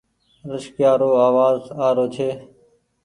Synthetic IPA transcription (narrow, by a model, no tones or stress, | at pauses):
ɾɪʃkjaːɾoːaːʋaːzaːɾoːt͡ʃʰeː